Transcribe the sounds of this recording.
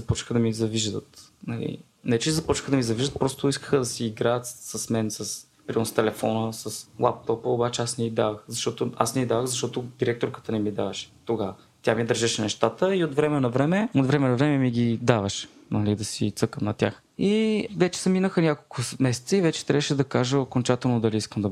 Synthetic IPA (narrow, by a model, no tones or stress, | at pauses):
zɐpɔt͡ʃnxəd̪ɐmizɐviʒd̪ə̰t̪nɐlḭ | nɛt͡ʃɛzɐpɔt͡ʃnxəd̪ɐmizɐviʒd̪ət̪̚pɾɔst̪ʊiskə̥xəd̪ɐsiːɡɾaət̪səsmɛnsəs | pɾinst̪ɛlɛfɔnəsəslˠa̰p̚t̪ɔpəobat͡ʃɛasnɛid̪avəxzɐʃt̪ɔt̪oʊa̰snɛid̪avəɣzɐʃ̬t̪ɔt̪ʊd̪iɾɛk̚t̪oɾkə̥t̪ənɛmid̪avɐʃɛ̥t̪oɡavə | t̪ʲamid̪əɾʒɛʃɛnɛʃt̪at̪əiot̪vɾɛmɛnɐvɾɛmɛot̪vɾɛmɛnɐvɾɛmɛmiɡʲid̪avəʃ | nɐlid̪ɐsit̪sɤkəmnɐt̪ʲja̰x | ivɛt͡ʃɛ̥sɐminəxənʲjakolˠkʊmɛsɛ̥t̪səivɛt͡ʃɛ̥t̪ɾʲavəʃɛd̪ɐkaʒəokont͡ʃat̪ɛlˠnod̪ɐliiskəmd̪ɐ